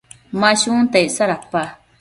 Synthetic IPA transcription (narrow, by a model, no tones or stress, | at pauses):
maʃunt̪ajsaɾapːa